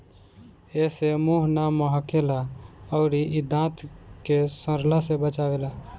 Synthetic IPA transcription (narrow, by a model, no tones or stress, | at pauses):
esemuɦnaməɦəkelaəʊɾiʔid̪ʱãt̪kesə̃ɾlasebət͡ʃabela